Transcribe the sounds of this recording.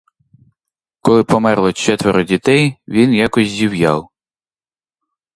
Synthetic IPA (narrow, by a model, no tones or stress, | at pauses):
kɔlˠɪpɔmɛrlˠɔt͡ʃɛt̪ʋeɾʊdʲit̪ɛjʋʲinjakɔsʲzʲiwjɑw